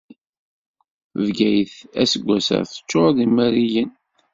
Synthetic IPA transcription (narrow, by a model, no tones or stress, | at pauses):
vɡæjθæsəɡʷːæsə̰ɾθə̥t͡ʃːoɾˤðimæɾijən